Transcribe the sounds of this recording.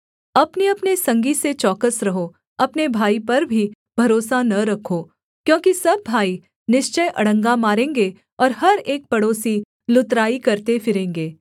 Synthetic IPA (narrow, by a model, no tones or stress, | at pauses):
ɐpniɐpnesɐ̃ŋɡiset͡ʃɔːkəsɾɐɦo | ɐpnebʱaːipɐɾbʱi | bʱɐɾoːsanɐɾɐkʰoː | kjõːkisɐbːʱaːi | nɪʃt͡ʃəjʔɐɽ̤ə̃ŋɡamaːɾẽːŋɡe | ɔːɾɦɐɾeːk̚pɐɽoːsi | lʊt̪ɾaːikɐɾt̪efɪɾẽːŋɡeː